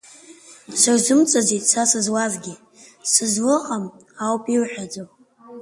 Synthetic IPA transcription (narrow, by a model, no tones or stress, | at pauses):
sɨrzɨmt͡sʼazitʼsasɨzwazɡʲɪ | sɨzlɨqʼamawpʼiwħᶣad͡zo